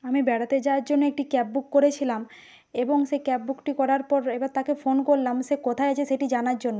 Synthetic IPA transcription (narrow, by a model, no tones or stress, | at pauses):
amibɛɽat̪ed͡ʑaaɾd͡ʑonːoek̚ʈikɛp̚bukːoɾet͡ɕʰilam | eboŋʃekɛp̚bukʈikɔɾaɾpɔɾebaɾt̪akefonkoɾlamʃekot̪ʰaeat͡ɕʰeʃeʈid͡ʑanaɾd͡ʑonːo